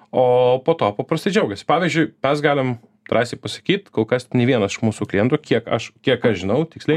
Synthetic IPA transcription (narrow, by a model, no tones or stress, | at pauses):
oːpoːt̪oːpɐpɾɐst̪ɐɪd͡ʒʲɛʊɡɐsʲɪ̥pɑːʋʲizʲd͡ʒʲʊɪmʲɛsɡɑːlʲɪm | t̪ɾɑːsʲt̪ʲepɐsɐ̥kʲiːt̪koːlˠkɐsʲnʲɛʋʲiɛnɐsɪʃmuːsuːklʲɪjɛnt̪uːkʲiɛkɐ̰ʃkʲiɛkɐʃʒʲɪnɐʊt̪ʲɪksʲlʲɛɪ